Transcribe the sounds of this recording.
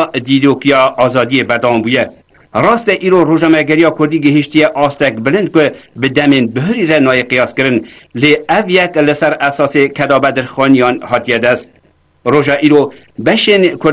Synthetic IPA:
d̪iɾoːkijɑɑːzɑːd̪ijebɛɾd̪æwɑmbuːjɛ | rɑːst̪ɛʔiːɾoroːʒnɑmɛɡɛɾijɑːkʰʊɾd̪iːɡɪɦɪʃt̪ijɛʔɑːst̪ɛkbɨlɨnd̪̚kʊbɨd̪ɛmeːnbʊɦʊɾirɛnɑːjeqɨjɑːskɨɾɨn | leːɛvjɛklɨsɛɾɛsɑːsekʰɛd̪ɑːbɛd̪ɨɾxɑːnijɑːnhɑːt̪ijɛd̪ɛst̪ | roːʒɑʔiːɾo | bɛʃenkʰʊ

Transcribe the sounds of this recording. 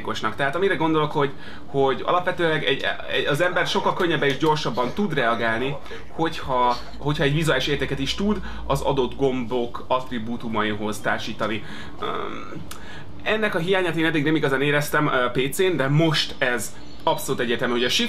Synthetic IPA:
ko̞ʃnɒkt̪ɛɦaːt̪ɒmiɾɛɡo̞nd̪olo̞kho̞ɟ | ho̞ɟɒ̰lɒpʋɛt̪øːlɛɡɛɟ | ɛɒzɛmbɛrʃo̞kːɒlkø̞ɲːɛbːɛniʒɟo̞rʃɒbːɒnt̪ud̪rɛɒɡaːlni | ho̞chɒ | ho̞chɒɛɟvizuaːliʃeːrt̪eːkɛt̪iʃt̪ud̪ | ɒzɒ̰d̪o̞d̪ɡo̞mbo̞k | ɒt̪ribuːt̪umɒiɦo̞zt̪a̰ːrʃiːt̪ɒni | ɛnːɛkɒɦijaːɲaːt̪eːnɛd̪ːiɡnɛmiɡɒzaːneːɾɛst̪ɛmpeːt̪seːnd̪ɛmo̞ʃt̪ɛz | ɒpso̞luːt̪ɛɟːɛrt̪ɛlmyɦo̞ɟɒʃi

